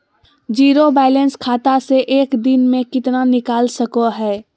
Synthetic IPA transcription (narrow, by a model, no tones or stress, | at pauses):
d͡ʒiːɾobɛːlənskʰaːt̪aseʔeːkd̪ɪnmẽkɪt̪nanɪkaːlsəkoɦɛː